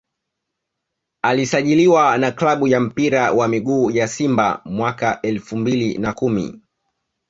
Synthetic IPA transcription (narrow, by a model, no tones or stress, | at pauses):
alisaʄiliwanaklaɓujam̩piɾawamiɠuːjasimba̰mwakaʔɛlfumbilinakumḭ